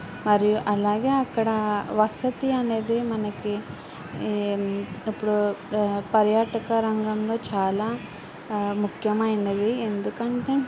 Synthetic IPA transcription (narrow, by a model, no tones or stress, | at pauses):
mɐɾijuʔɐlaːɡe̞ːɐkːɐɽɐʋɐsɐt̪iɐne̞ːd̪imɐnɐki | ipːuɽupɐɾjaːʈɐkɐɾɐŋɡɐmlo̞ːt͡ʃaːlaː | mukʰjɐmɐjɐnɐd̪iend̪ukɐɳʈeː